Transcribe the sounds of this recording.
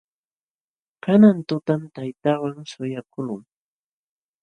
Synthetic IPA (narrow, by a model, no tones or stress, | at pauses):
kanant̪ʊt̪amt̪ajt̪awaŋsʊjakʊlʊŋ